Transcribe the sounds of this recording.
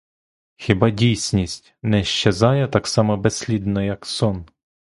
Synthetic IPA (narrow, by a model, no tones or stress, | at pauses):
xʲibɑdʲijsʲnʲisʲtʲnɛʃt͡ʃezɑjɛt̪ɑksɑmɔbɛsʲlʲid̪nɔjɐksɔn